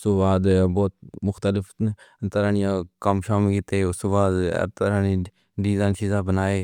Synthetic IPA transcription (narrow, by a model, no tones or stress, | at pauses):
st̪obaːd̪bɔːt̪̚mʊxt̪əlɪfʰt̪əɾãːnɪjãːkəmʃaːmːkɪt̪eːʊst̪oːbaːd̪ɛ̰ːb̚t̪əɾãːniː | ɖizaːnsizaːbənaːeː